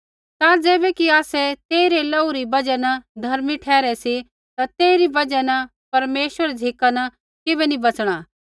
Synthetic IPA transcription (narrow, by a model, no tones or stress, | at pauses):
t̪ad͡zeːbɛkiaːsɛt̪eːiɾelɐːuɾibɐd͡ʒɛnɐd̪ʱɐɾmiʈʰɛːɾɛsi | t̪at̪eːiɾibɐd͡ʒɛnɐ | pɐɾmeːʃʋəɾd͡zʱɪkana | kɪbɛnĩbɐt͡sɽ̃a